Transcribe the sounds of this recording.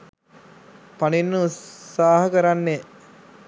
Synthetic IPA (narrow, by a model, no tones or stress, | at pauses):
paninːuuːaːɦɐkəɾanːe